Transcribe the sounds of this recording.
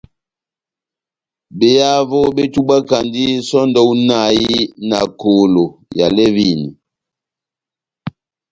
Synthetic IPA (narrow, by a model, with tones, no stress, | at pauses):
be˨ja˦vo˦be˦tu˦ɓa˦ka˨ndi˦sɔ˦ndɔ˦u˦na˦˨i˦na̰˨ko˨lo˨ja̰˨lɛ˦vi˦˨ni˨